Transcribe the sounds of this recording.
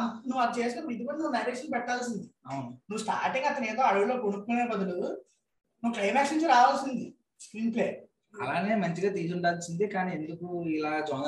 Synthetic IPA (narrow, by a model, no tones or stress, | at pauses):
nuʋːɐd̪t͡ʃe̞ːs̬uteːuid̪ibɐnnunɐɾeːʂɐnlpɛʈːaːls̬ind̪iɐwununuʋːusʈaːɾʈiŋɡɐt̪ɐneːd̪o̞ːɐɽɐʋulo̞ːkoɽukːuːneːpɐd̪ulu | nuːklɐjmaːksɐinɲt͡ʃɐɾaːʋɐːlsind̪i | skɾiːnple̞ː | ɐ̰laːne̞ːmɐɲt͡ʃiɡaːt̪iːsuɳɖaːlsind̪ikaːniːend̪ukuilaːd͡ʒɔːn